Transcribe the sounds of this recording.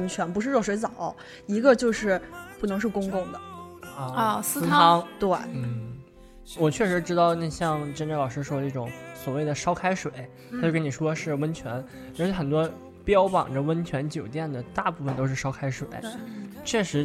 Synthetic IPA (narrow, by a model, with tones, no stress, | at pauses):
ə˥nt͡ɕʰɥɛ˧˥npu˧˥ʂɻ̩˥˧ʂwɔ˥˩ʂwe˧˥ɪt͡sɑ˨˩˦ʊ˦ | i˧˥ɡə˧t͡ɕjo˥˧ʊʂɻ̩˥˩pu˥˩nɤ˧˥ŋʂɻ̩˥˩kʊ˥ŋkʊ˥˩ŋd̪ə˩˧˥ | sɹ̩ʰ˥ɑ˥ŋt̪we˥˩ɪn̩˥˩ | wɔ˨˩t͡ɕʰɥɛ˥˩ʂɻ̩˧˥ʈ͡ʂɻ̩˥t̪ɑ˥˧ʊn˥˧ɕjɑ˥˩ŋʈ͡ʂə˥nʈ͡ʂə˥˩lɑ˨˩ʂɻ̩˥ʂwɔ˥˧i˥˩ʈ͡ʂʊ̰˧˥˦ŋswɔ˨˩we˥˩ɪd̪ə˩ʂɑ˥ʊkʰa˥ɪʂwe˨˩˦ɪa˥t͡ɕkə˥ni˨˩ʂwɔ˥ʂɻ̩˥˧wə˥nt͡ɕʰɥɛ˧˥n˨˧˥ | xə˨˩nt̪wɔ˥ | pjɑ˥ʊpɑ̰˨˩ŋʈ͡ʂə˦wə˥nt͡ɕʰɥɛ˧˥nt͡ɕjo˨˩ʊt̪jɛ˥˩nd̪ə˩t̪a˥˧pu˥˩fə˩nt̪o˥ʊʂɻ̩˥˩ʂɑ˥ʊkʰa˥ɪʂwḛ˨˩˦ɪt͡ɕʰɥɛ˥˩ʂɻ̩˧˥